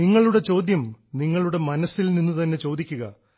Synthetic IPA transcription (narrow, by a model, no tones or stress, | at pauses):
iŋːɐɭuɽe̞t͡ɕo̞ːd̪jɐmniŋːɐɭuɽe̞mɐnɐsilninːut̪ɐnːe̞t͡ɕo̞ːd̪ikʲːuɣɐ